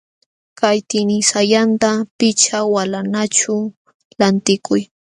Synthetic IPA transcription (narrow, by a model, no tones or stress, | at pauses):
kajt̪ɪnɪsajant̪apɪt͡ʃawalanat͡ʃʊ | lant̪ɪkʊj